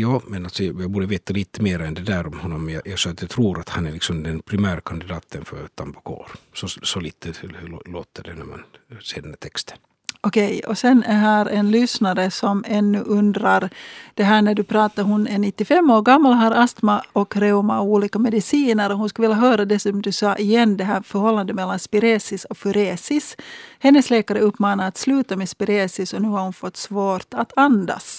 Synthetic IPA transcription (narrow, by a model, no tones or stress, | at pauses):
jɑːmɛnalt̪sɔjjɑbuːɖəveːt̪aliːt̪əmeːɾaɛnd̪ɛd̪æːɾɔmhɔnːɔmjɑjɑɡsɔat̪jɑt̪ʰɾuːɾat̪hanæɭɪksɔmd̪ɛnpʰɾɪmæːɾkʰand̪ɪd̪ɑːt̪ʰənfœɾt̪ʰambʊkʰo̰ːɾsɔsɔliːt̪ʰəlo̰ːt̪əɖɛnæ̰ɾma̰n | seːdɛnæt̪ʰɛkst̪ʰə̥n | ɔkʰɛjɔsɛnæɾɦæːɾɛnlʏsnaɾəsɔmɛnːʉʔɵnd̪ɾaɾd̪̥ɛɦæːɳæɖɵpʰɾɑːt̪aɾɦʊnɛnɪt̪ːɪfɛmːoːɾɡamːalɦaɾast̪maɔkɾɛʊmauːliːkamɛd̪ɪsiːnəɾɔhʊnskavɪljaɦøːɾad̪ɛsɔmd̪ʉsɑːʔɪjɛnːd̪ɛɦæːɾfœɾhɔlːand̪əmɛlːanspɪɾeːsɪsɔfʉɾeːsɪshɛnːəsleːkaɾəɵpːmɑːnaɾat̪slʉ̟ːt̪amɛspɪɾeːsɪsɔnʉ̟ːhaɾhʊnfɔt̪ːsvoːɾt̪at̪and̪a̰s